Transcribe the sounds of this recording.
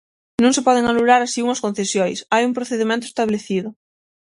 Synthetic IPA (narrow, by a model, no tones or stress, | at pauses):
nõŋsepɔð̞eŋalulaɾasiuŋɐskõn̟θesjojsajumpɾoθeðimẽnt̪ʊest̪aβleθiðʊ